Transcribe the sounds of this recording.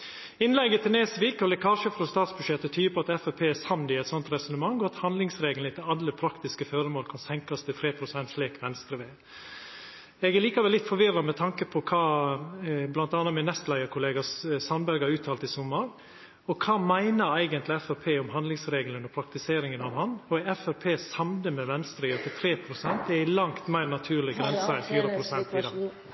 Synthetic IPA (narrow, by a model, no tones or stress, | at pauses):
ɪnlɛɡːət̪ʰɛneːsʋɪːkɔlɛkʰɑːʂəfɾɔst̪ɑːt̪sbʉdʂɛt̪ːət̪ʰyːəpʰɔɑt̪ɛfæpʰeːsɑmnɪɛɪt̪sɔnt̪ɾɛsʊnəmɑŋːɔɑt̪hɑnd̪lɪŋsɾeːɡəlnɪt̪ʰɪlɑlːəpʰɾɑkt̪ɪskəfœɾəmoːlkʰɑnsɛŋkɑst̪ʰɪlt̪ʰɾeːpʰɾʊsɛnt̪sliːkʋɛnst̪ɾəʋeː | ɛɡæɾliːkɑʋɛlɪt̪ːfɔɾʋɪrːɑmɛt̪ʰɑŋkəpʰɔkʰɑː | blɑnt̪ɑːnːɑmɪnːɛst̪læɪəɾkʰʊleːɡɑsɑmbɛlɡɑɑʉːt̪ʰɑːlt̪ɪsʊmːəɾ | ɔkʰɑːmæɪnəɾæɪɡənt̪lɪɛfæɾpʰeːʊmɦɑnd̪lɪŋsɾeːɡələnɔpʰɾɑk̚t̪ɪseːɾɪŋənɑʋhɑnɔɛfæɾpʰeːsɑmnəmɛʋɛnst̪ɾəɪɔt̪ɪt̪ʰɾeːpʰɾʊsɛnt̪ɛɪlɑŋt̪mæɪnɑt̪ʰʉːɾɭɪɡɾɛnsɑɛnfyːɾəpʰɾʊsɛnt̪ɪd̪ɑː